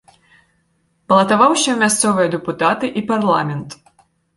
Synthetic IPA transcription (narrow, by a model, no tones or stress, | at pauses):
bɐlˠɐt̪avawɕʲɐmʲast̪sɔvɨjɐd̪ɛput̪at̪ɨʔiparlˠamʲɛnt̪